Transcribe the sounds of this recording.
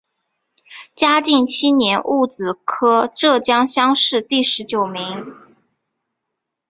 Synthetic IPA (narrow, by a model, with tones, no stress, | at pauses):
t͡ɕja˥t͡ɕi˥˩ŋt͡ɕʰi˥njɛ˧˥nʔu˥˩t͡sɹ̩˨˩kʰɤ˥ʈ͡ʂɤ˥˩t͡ɕjɑ˥ŋɕjɑ˥ŋʂɻ̩˥˧t̪i˥˩ʂɻ̩˧˥t͡ɕjo˨˩ʊmi˧˥ŋ